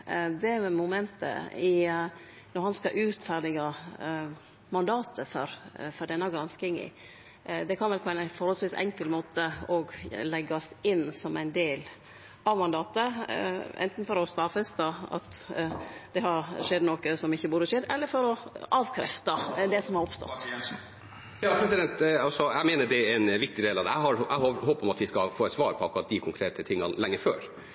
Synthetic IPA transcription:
d̪ɛmʊmɛnt̪ə̰ɪ | nɔɾhɑnskɑʔʉːt̪fæːɾɖ̪ɪɡɑ | mɑnd̪ɑːt̪əfɔɾfɔɾɖ̪ɛnːɑɡɾɑnskɪŋɪ̰ | d̪ɛkʰɑnʋɛlpʰɔæɪnfɔɾhɔlsʋiːsɛ̰ŋkəlmoːt̪əɔɡlɛɡːɑsɪnːsɔmæɪnd̪eːl | ʔɑʋmɑnd̪ɑːt̪əʔɛ̰nt̪n̩fɔɾɔst̪ɑfəst̪ɑɑ̰t̪ | d̪̥ɛhɑɾʂɛd̪noːkəsɔmɪçːəbuːd̪əʂɛd̪ɛlːəɾfɔɾɔɑːʋkʰɾɛ̰ft̪ɑd̪ɛsɔmhɑɾɔpst̪ɔ̰t̪t̪ | jɑːpʰɾɛsɪd̪ɛnt̪ɑlsɔæɪmeːnəɖ̪ɛɾɛnʋɪk̚t̪ɪd̪eːlɑd̪ɛæ̰ɦɑɾæhoɦoːpɔmɑt̪ʋɪskɑfoːɛt̪sʋɑːɾpʰɔɑkʊɾɑt̪̚d̪ɪkʰʊŋkʰɾeːt̪ʰət̪ʰɪŋːɑ̰nlɛŋːəføːɾ

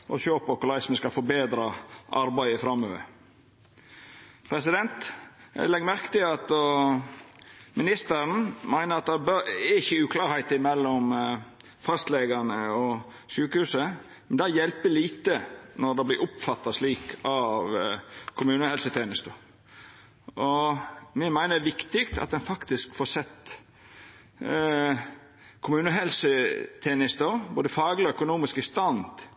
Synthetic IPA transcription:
ʔɔʃøːpɔkʊlæɪsmɛskɑfɔɾbeːd̪ɾɑʔɑɾbæɪəfɾɑmːøːʋə̰ɾ | pʰɾɛsɪd̪ɛnt̪lɛɡəmæɾkə̥t̪ɪlɑt̪ | mɪnɪst̪əɾn̩mæɪnəɾɑt̪̚d̪ɑbøɪçəʉːkʰlɑːɾhæɪt̪ɪmɛlːɔm | fɑst̪leɡɑnəɔ | syːkəhʉːsə | mɛnd̪ɑjɛlpəliːt̪ənɔɾd̪ɛblɪɾʊpfɑt̪ːɑsliːkʰɑʋkʰʊmʉːnəhɛlsət̪ʰeːnəst̪ə | ɔmɪnmæɪnəʋɪkt̪ɪkt̪ʰɑ̰t̪̚d̪ɛnfɑkt̪ɪskfoːsɛt̪ | kʰʊmʉːnəɦɛlsət̪ʰeːnəst̪əɾboːd̪əfɑːɡlɪɔœkʊnuːmɪskəst̪ɑnd̪

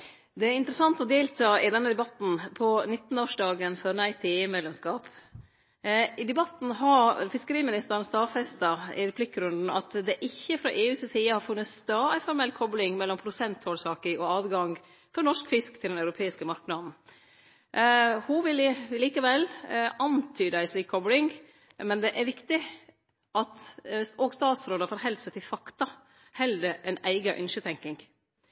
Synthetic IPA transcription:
d̪ɛæɾɪnt̪əɾəsɑnt̪ɔd̪eːlt̪ʰɑːɪd̪ɛnːəd̪ɛbɑt̪n̩pʰɔnɪt̪ːn̩oːʂɖɑːɡənfɔɾnæɪt̪ʰɪeːmɛd̪lɛmskɑːp | ɪd̪ɛbɑt̪n̩ɦɑfɪskəɾiːmɪnɪst̪əɾənst̪ɑːfɛst̪ɑɪ̰ɾɛpʰlɪkːɾʉnd̪n̩ɑ̰t̪d̪ɛʔɪçːəfɾɑʔeːʉːssiːəhɑɾfʉnːət̪st̪ɑːæɪfɔɾmɛlkʰɔblɪŋmɛlːɔmpʰɾʊsɛnt̪hoːlsɑːkɪŋɔɑːd̪ɡɑŋ | fɔɾnɔʂkfɪskt̪ʰɪlnɑʉɾʊpʰeːɪskəmɑɾknɑd̪n̩ | huʋɪlɪliːkəʋɛlɑnt̪ʰyːd̪æɪsliːkʰːɔblɪŋ | mɛnd̪ɛʔæɾʋɪkt̪ɪ | ʔɑt̪ɔɡst̪ɑːt̪sɾoːd̪əfɔɾhɛld̪sət̪ʰɪlfɑkt̪ɑ | hɛld̪əæɪnæɪɡɑʔʏnʃət̪ʰɛŋkɪŋɡ

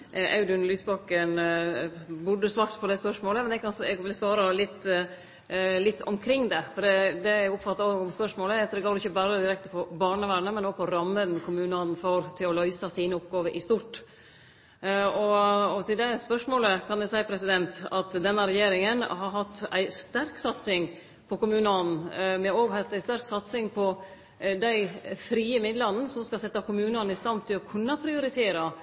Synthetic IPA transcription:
ʔɑ̰ʉd̪ʉnlyːsbɑkːən | bʊɖəsʋɑːkt̪pʰɔd̪ɛspœʂmoːləmɛnɛkɑnɛɡʋɪlsʋɑːɾɑlɪt̪ː | lɪt̪ːɔmkʰɾɪŋːd̪ɛfɔɖɛd̪ɛæʊpfɑt̪ːɑɔɡɔmspœʂmoːləd̪ɛɡoːɾɪçəbæːɾəd̪ɪɾɛk̚t̪əpʰɔbɑːɳəʋæːɳəmɛnɔːɡ̚pʰɔɾɑmːənnkʰʊmʉːnɑnfɔɾt̪ʰɪlɔlœʏsɑsiːnəɔpɡɑːʋəɾʔɪst̪uːʈ | ɔɔt̪ɪld̪ɛspœʂmoːləkʰɑnæsæɪpʰɾɛsɪd̪ɛnt̪ɑt̪d̪ɛnːəɾɛjeːɾɪŋənɦɑɾɦɑt̪ːæɪst̪æɾksɑt̪sɪŋ | pʰɔkʊmʉːnəɑnn̩mɛoːɡhɑt̪ːæɪst̪æɾksɑt̪sɪŋpʰɔ | d̪æɪfɾiːəmɪd̪lɑnn̩sɔmskɑsɛt̪ːɑkʊmʉːnɑnəɪst̪ɑnt̪ʰɪlɔkʰʉnːɑpʰɾɪʊɾɪt̪ʰeːɾɑ

